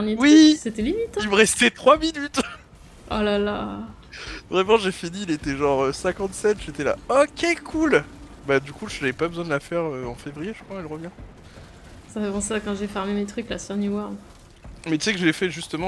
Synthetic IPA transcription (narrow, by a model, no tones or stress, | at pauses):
njewiset̪ɛlimit̪ilməʁɛst̪ɛt̪χwaminyt̪ | ɔ̰lala | vʁɛmɑ̃ʒefiniːlet̪ɛʒɑ̃ʁøsɛ̃kɑ̃t̪sɛt̪ʒet̪ɛla̰ɔkʲɛkʰul | bad̪ykuʒavɛpabəzwɛ̃d̪əlafɛʁøɑ̃fevʁijeʒə̥kʰwaɛlʁəvjɛ̃ | safɛpɑ̃seakɑ̃ʒefɛʁmemet̪χyklasɛʁnjuwaʁ | mɛt̪y̥sɛkəʒəɛfɛʒyst̪əmɑ̃